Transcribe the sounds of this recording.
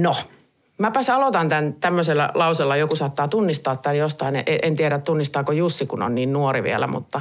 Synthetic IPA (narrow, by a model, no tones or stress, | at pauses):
no | mæpɑsɑlot̪ɑnt̪ænt̪æmːøselːæ̰lɑuselːɑjokusɑːt̪ːɑːt̪unːist̪ɑːt̪t̪ænjost̪ɑineʔeʔent̪ieɾæt̪t̪unːist̪ɑːkojusːikuno̰nniːnnuoriʋḭæ̰læ̰mṵt̪ːɑ